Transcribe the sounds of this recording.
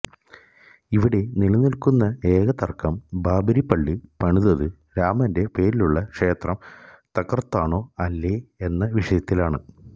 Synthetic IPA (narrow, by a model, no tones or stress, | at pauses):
iʋiɽe̞niɭɐnilkunːɐe̞ːɡɐt̪ɐrkɐmbaːbʱɐɾipːɐɭːɨpɐɳuðɐðɨ | ɾaːmɐnde̞pe̞ːɾiluɭːɐkʂe̞ːt̪rɐm | t̪ɐkːɐrɐt̪ːaːɳo̞ːɐlːe̞enːɐʋiʂɐjɐt̪ːilaːɳɨ̰